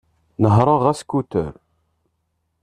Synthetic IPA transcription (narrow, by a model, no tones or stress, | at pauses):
nəɦɾˤəʁæskːut̪ə̰ɾ